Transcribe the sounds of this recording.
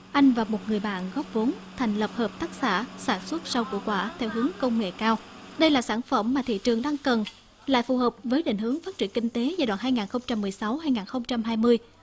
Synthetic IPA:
ʔa˧jŋ̟vaː˨˩mo˨˩t̚ŋɨ˨˩əjɓa̰ː˧˨nɣɔ˦˥p̚vo˨˦nt̪ʰɛ˨˩jŋ̟lə˨˩p̚həː˨˩p̚t̪aː˦˥k̚sa̰ː˧˩saː˧˩nswə˦˥t̚sa˧wkṵ˧˩kwaː˧˩t̪ʰɛ˧wɦɨ˨˦əŋkə˧wŋ͡mŋḛ˧˨kaː˧wɗə˧jlaː˨˩saː˧˩nfə˧˩mːaː˨˩t̪ʰḭ˧˨t͡ɕɨ˨˩əŋɗaː˧ŋkə˨˩n | la̰ː˧˨jfu˨˩həː˨˩p̚vəː˨˦jɗḛ˧˨ŋ̟hɨ˨˦əŋfaː˦˥t̚t͡ɕi˧˩əŋkï˧ŋ̟t̪e˨˦va˨˩ɗwaː˧˨˩nɦaː˧jŋaː˨˩nxə˧wŋ͡mt͡ɕa˧mːɨ˨˩əjsa˨˦whaː˧jŋaː˨˩nxə˧wŋ͡mt͡ɕa˧mɦaː˧jmɨ˧əj

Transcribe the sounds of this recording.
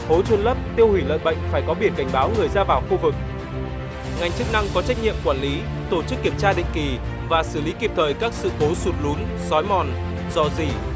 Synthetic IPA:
ho˨˦t͡ɕwu˧nlə˦˥p̚t̪i˧əwhwi˧˩lə̰ː˧˨jɓə̰˧˨ŋ̟faː˧˩jkɔ˨˦ɓi˧˩ənka˧˩jŋ̟ɓaː˨˦wŋɨ˨˩əjzaː˧vaː˨˩wxu˧vɨ˨˩k̚ | ŋa˨˩jŋ̟t͡ɕɨ˦˥k̚na˧ŋkɔ˨˦t͡ɕa˦˥jk̚ɲḭ˧˨əmkwaː˧˩nli˨˦ | t̪o˧˩t͡ɕɨ˦˥kːi˧˩əmt͡ɕaː˧ɗḭ˧˨ŋ̟ki˨˩ | vaː˨˩sɨ˧˩li˨˦ki˨˩əp̚t̪ʰəː˨˩jkaː˦˥k̚sɨ̰˧˨ko˨˦su˨˦t̚lu˨˦n | zɔ˨˦jmɔ˨˩n | zɔ˧˩zi˨˩

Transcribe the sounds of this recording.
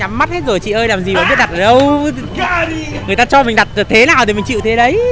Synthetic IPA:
ɲa˨˦mːa˦˥t̚he˦˥t̚zo˨˩jt͡ɕḭ˧˨ʔəː˧jlaː˨˩mzi˨˩vaː˧˨ɓi˦˥t̚ɗa˨˩ʔəː˧˩ɗə˧w | ŋɨ˨˩əjt̪aː˧t͡ɕɔ˧mï˨˩ŋ̟ɗa˨˩t̚ːt̪ʰe˨˦naː˨˩wt̪ʰi˨˩mï˨˩ŋ̟t͡ɕḭ˧˨wt̪ʰe˨˦ɗə˨˦j

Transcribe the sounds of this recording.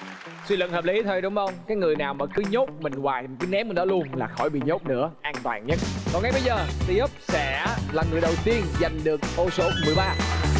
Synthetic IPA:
swi˧lɨ̰˧˨n̚ŋhəː˨˩p̚li˨˦t̪ʰə˧jɗʊ˨˦wŋ͡mʔə˧wŋ͡mkaː˨˦jŋɨ˨˩əjnaː˨˩wməː˧˨˩kɨ˨˦ɲo˦˥t̚mï˨˩ŋ̟waː˨˩jkɨː˨˦nɛ˨˦˥mɨ˨˩ɗɔ˨˦˥lu˧ənlaː˨˩xɔ˧˩jɓḭ˧˨ɲo˦˥t̚nɨ̰˧˥əʔaː˧nt̪wa̰ː˨˩nɲə˦˥kɔ˨˩nŋa˨˩jɓə˨˧˦jzəː˨˩t̪i˧ʔə˦˥p̚sɛ̰˧˥laː˨˩ŋɨ˨˩əjɗə˨˩wt̪i˧ənza˨˩jŋ̟ɗɨ˨˩ək̚ʔo˧so˨˦mɨ˨˩əjɓaː˧

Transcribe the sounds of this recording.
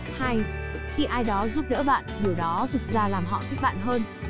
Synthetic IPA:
ha˧jxi˧ʔaː˧jɗɔ˨˦zu˦˥p̚ɗə̰ː˧˥ɓa̰ː˧˨nɗɨ˧˩əwɗɔ˨˦t̪ʰɨ˨˩k̚zaː˧laː˨˩mɦɔ̰˧˨t̪ʰi˦˥k̚ɓa̰ː˧˨nɦəː˧n

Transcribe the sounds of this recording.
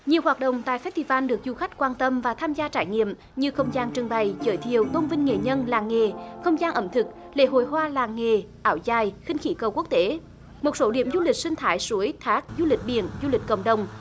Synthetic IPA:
ɲi˨˩əwɦwaː˨˩t̚ɗə̰˧˨wŋ͡mt̪a̰ː˧˨jfɛ˦˥t̚t̪ʰi˧˨˩vaː˧nɗɨ˨˩ək̚zu˧˩xa˦˥k̟̚kwaː˧nt̪ə˧mvaː˨˩t̪ʰaː˧mzaː˧t͡ɕaː˧˩jŋḭ˧˨əm | ɲɨ˧xə˧wŋ͡mzaː˧nt͡ɕɨ˨˩əŋɓa˨˩jt͡ɕəː˧˨˦jt̪ʰi˨əwt̪o˧nvï˧ŋ̟ŋe˨˩ɲə˧nlaː˨˩ŋŋe˨˩xə˧wŋ͡mzaː˧nʔə˧˩mt̪ʰɨ˨˩k̚ | lḛ˧˥ɦo̰˧˨jɦwaː˧laː˨˩ŋŋe˨˩ | ʔaː˧˩wzaː˨˩jxï˧ŋ̟xḭ˧˩kə˨˩wku˦˥ək̚t̪e˨˦ | mo˨˩t̚so˨˦ɗi˧˩əmzu˧li˨˩k̚sï˧ŋ̟t̪ʰaː˨˦jsu˨˦əjt̪ʰaː˦˥k̚zu˧lï˨˩k̟̚ɓḭ˧˩˨ənzu˧li˨˩k̟kə̰˧˨wŋ͡mɗə˨˩wŋ͡m

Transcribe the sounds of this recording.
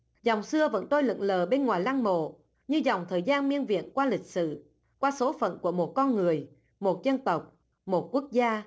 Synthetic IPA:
za˨˩wŋ͡msɨ˧əvə̰˧˥nt̪o˧jlɨ̰˧˨ŋləː˨˩ɓe˧nŋwaː˨˩jla˧ŋmo̰˧˨ | ɲɨ˧za˨˩wŋ͡mt̪ʰəː˨˩jzaː˧nmi˧ənvḭ˧˨ənkwaː˧lï˨˩k̟̚sɨ̰˧˨ | kwaː˧so˨˦fə̰˧˨nku˧˩əmo˨˩t̚kɔ˧nŋɨ˨˩əj | mo˨˩t̚zə˧nt̪ə˨˩wk͡p̚ | mo˨˩t̚ku˦˥ək̚zaː˧

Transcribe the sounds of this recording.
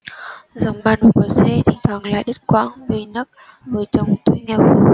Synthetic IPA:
zə˨˩wŋ͡mɓaː˨˧˩n˨˩ku˨˧˩əsɛ˧t̪ʰï˨˩ŋ̟t̪ʰwaː˨˩ŋla̰ː˧˨jɗə˦˥t̚kwa̰ː˧˥ŋve˨˩nə˦˥k̚ | vəː˨˩˦t͡ɕə˨˩wŋ͡mt̪u˧˦ŋɛ˧˩xu˨˧˦

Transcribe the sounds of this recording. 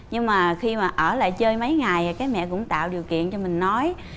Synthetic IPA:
ɲɨ˧ŋmaː˨˩xi˧maː˨˩ʔəː˧˩la̰ː˧˨jt͡ɕəː˧jmə˨˦jŋa˨˩jkaː˨˦jmɛ̰˧˨kʊ̰˧˥ŋ͡mt̪a̰ː˧˨wɗi˨˩əwkḭ˧˨ənt͡ɕɔ˧mï˨˩ŋ̟nɔ˨˦j

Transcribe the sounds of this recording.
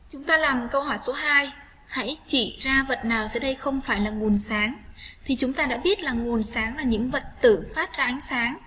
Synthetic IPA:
t͡ɕʊ˨˦ŋ͡mt̪aː˧laː˨˩mkə˧whɔ˧˩jso˨˦ɦaː˧j | ha̰˧˥jt͡ɕḭ˧˨zaː˧və̰˨˩t̚naː˨˩wsɨ̰˧˥ɗə˧jxə˧wŋ͡mfaː˧˩jlaː˨˩ŋu˨˩ənsaː˨˦ŋt̪ʰi˨˩t͡ɕʊ˨˦ŋ͡mt̪aː˧ɗa̰ː˧˥ɓi˦˥ət̚laː˨˩ŋu˨˩ənsaː˨˦ŋlaː˨˩ɲɨ̰˧˥ŋvə˨˩t̚t̪ɨ̰˧˩faː˦˥t̚zaː˧ʔa˨˦jŋ̟saː˨˦ŋ

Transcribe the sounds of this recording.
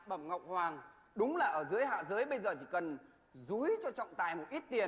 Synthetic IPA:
ɓə˧˩mŋə̰˨˧˨wk͡p̚hwaː˨˩ŋ | ɗʊ˨˦ŋ͡mlaː˨˩ʔəː˧˩zɨ˨˦əjɦa̰ː˧˨zɨ˨˦jɓə˧jzəː˨˩t͡ɕi˧˩kə˨˩n | zu˨˦jt͡ɕɔ˧t͡ɕɔ̰˧˨wŋ͡mt̪aː˨˩jmo˨˩t̚ʔi˦˥t̚t̪i˨˩ən

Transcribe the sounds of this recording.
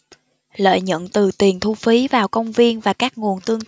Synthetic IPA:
lə̰ː˧˨jɲə̰˧˨nt̪ɨ˨˩t̪i˨˩ənt̪ʰu˧fi˨˦vaː˨˩wkə˧wŋ͡mvi˧ənvaː˨˩kaː˦˥k̚ŋu˨˩ənt̪ɨ˧əŋ

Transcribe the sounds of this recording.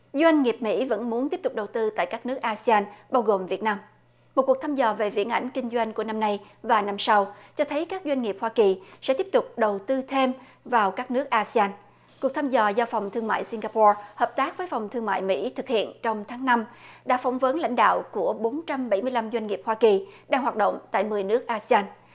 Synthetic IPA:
zwa˧jŋ̟ŋi˨˩əp̚mḭ˧˥və̰˧˥nmu˨˦nt̪i˦˥əp̚t̪k͡p̚ɗə˨˩wt̪ɨ˧t̪a̰ː˧˨jkaː˦˥k̚nɨ˦˥k̚ʔaː˧si˧aː˧nɓaː˧wɣo˨˩mvi˨˩ət̚naː˧m | mo˨t̚ku˨˩ək̚t̪ʰaː˧mzɔ˨˩ve˨˩vḭ˧˥ənʔa̰˧˩jŋ̟kï˧ŋ̟zwa˧jŋ̟ku˧˩əna˧mna˧j | vaː˨˩na˧msa˧wt͡ɕɔ˧t̪ʰə˨˦jkaː˦˥k̚zwa˧jŋ̟ŋi˨˩əp̚hwaː˧ki˨˩sɛ̰˧˥t̪i˦˥əp̚t̪ʊ˨˩k͡p̚ɗə˨˩wt̪ɨ˧t̪ʰe˧m | vaː˨˩wkaː˦˥k̚nɨ˦˥ək̚ʔaː˧si˧aː˧n | ku˨˩k̚t̪ʰaː˧mzɔ˨˩zɔ˧fɔ˨˩wŋ͡mt̪ʰɨ˧əŋma̰ː˧˨jsi˧ŋɣaː˧pɔ˧həː˨˩p̚t̪aː˦˥k̚vəː˨˦jfɔ˨˩wŋ͡mt̪ʰɨ˧əŋma̰ː˧˨jmḭ˧˥t̪ʰɨ˨˩k̚hḭ˧˨ənt͡ɕɔ˧wŋ͡mt̪ʰaː˨˦ŋna˧mɗa̰ː˧˥fɔ˧˦wŋ͡mvə˨˦nla̰˧˥jŋ̟ɗa̰ː˧˨wku˧˩əɓo˨˦nt͡ɕa˧mɓə˧˩jmɨ˧əjla˧mzwa˧jŋ̟ŋi˨˩p̚hwaː˧ki˨˩ɗaː˧ŋɦwaː˨˩t̚ɗo̰˧˨wŋ͡mt̪a̰ː˧˨jmɨ˨˩əjnɨ˦˥ək̚ʔaː˧si˧aː˧n

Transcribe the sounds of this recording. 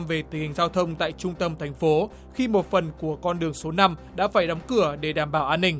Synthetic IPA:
mve˨˩t̪i˨˩ŋhï˨˩ŋ̟zaː˧wt̪ʰə˧wŋ͡mt̪a̰ː˧˨jt͡ɕʊ˧ŋ͡mt̪ə˧mt̪ʰa˨˩jŋ̟fo˨˦ | xi˧mo˨˩t̚fə˨˩nku˧˩əkɔ˧nɗɨ˨˩əŋso˨˦na˧mɗa̰ː˧˥faː˧˩jɗɔ˨˦wŋ͡mkɨ˧˩əɗe˧˩ɗaː˨˩mɓaː˧˩wʔaː˧nːï˧˩ŋ̟

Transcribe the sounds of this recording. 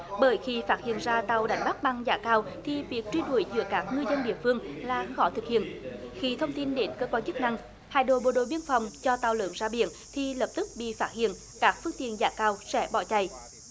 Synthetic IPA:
ɓəː˧˩jxi˧faː˦˥t̚hḭ˧˨ənzaː˧t̪a˨˩wɗa˨˩jŋ̟ɓa˦˥k̚ɓa˧ŋzaː˧˩kaː˧wt̪ʰi˨˩vi˨˩ək̚t͡ɕwi˧nwu˧˩˦jzɨ̰˧˦əkaː˦˥k̚ŋɨ˧əjzə˧nɗḭ˧˨əfɨ˧əŋlaː˨˩xɔ˧˦t̪ʰɨ˨˩k̚hḭ˧˨ənxi˧t̪ʰə˧wŋ͡mt̪i˧nɗe˨˦nkəː˧kwaː˧nt͡ɕɨ˦˥k̚na˧ŋ | haː˧˨jɗo̰˧˨ɓo˨˩ɗo̰˧˨jɓi˧ənfa˨˩wŋ͡mt͡ɕɔ˧t̪aː˨˩wlɨ̰˧˨nzaː˧ɓḭ˧˨ənt̪ʰi˨˩ləː˨˩p̚t̪ɨ˦˥k̚ɓḭ˧˨faː˦˥t̚hḭ˧˨ən | kaː˦˥k̚fɨ˧əŋt̪ḭ˧˨ənzaː˧˦kaː˧wsɛ̰˧˥ɓɔ˧˩t͡ɕa˧˩j

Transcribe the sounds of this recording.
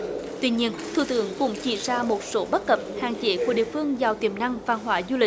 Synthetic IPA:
t̪wi˧ɲi˧ənt̪ʰṵ˧˨t̪ɨ̰˧˦əŋkʊ̰˧˥ŋ͡mt͡ɕḭ˧˩zaː˧mo˨˩t̚so˨˦ɓə˦˥t̚kə˨˩p̚ha̰ː˧˨ŋt͡ɕe˧˦ku˧˩˦ɗḭ˧˨əfɨ˧əŋzaː˨˩wt̪i˨˧˩əmna˧ŋvaː˧nɦwaː˧˦zu˧li˨˩k̚

